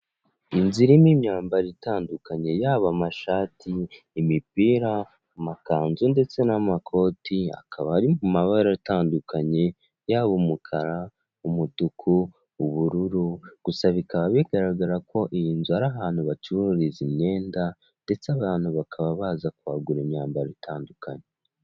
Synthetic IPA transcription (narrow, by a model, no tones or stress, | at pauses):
inziɾimimɲaːmbaɾitaːndukaɲe̞jaːβamaʃaːtiː | mipiːɾa | makaːnzunde̞t͡se̞namakʰo̞tia̰kʰaβaɾimumaβaɾaitaːndukaɲe̞ | jaːβumukʰaɾa | umutukʰuː | βuɾuɾuɡ̥usaβikaβaβiɡaɾaɡaɾako̞ʔijiːnzuaɾaɦaːn̥huβat͡ʃiβuuɾiziɲɲe̞ːnda | nde̞t͡seaβaːn̥huβakʰaβaβaːzakuwaːɡuɾeɲɲaːmbaɾitʰaːnduka̰ɲe